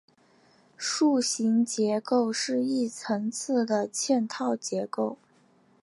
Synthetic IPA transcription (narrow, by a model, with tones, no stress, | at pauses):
ʂu˥˩ɕi˧˥ŋt͡ɕjɛ˧˥ko˥˧ʊʂɻ̩˥˧i˥˩t͡sʰɤ˧˥ŋt͡sʰɹ̩˥˩d̪ə˩t͡ɕʰjɛ˥˧nt̪ʰɑ˥˩ʊt͡ɕjɛ˧˥ko˥˩ʊ